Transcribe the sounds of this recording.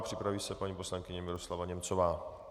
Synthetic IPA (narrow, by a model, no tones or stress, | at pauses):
pr̥ɪpɾaviːsɛpaɲiːpo̞slaŋkɪɲɛmɪɾo̞slavaɲɛmt͡so̞vaː